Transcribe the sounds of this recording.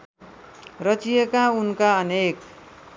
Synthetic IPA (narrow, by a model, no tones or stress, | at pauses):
rʌt͡sijekaunkaʌnek